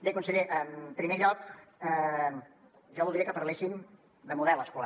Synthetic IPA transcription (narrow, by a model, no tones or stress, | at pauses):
bekunsəʎiʔəmpɾimeʎɔkɛ | ʒaβulˠd̪iɾekəpəɾlesim | d̪əmuðɛlˠəskula